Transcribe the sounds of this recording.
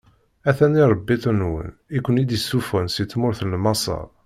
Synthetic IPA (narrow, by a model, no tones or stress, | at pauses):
æθæniɾˤəbːiθənwə̰nikʷːənid̪jəsːufənsit͡sːmʊɾθənmɑsˤɑ̰ˤ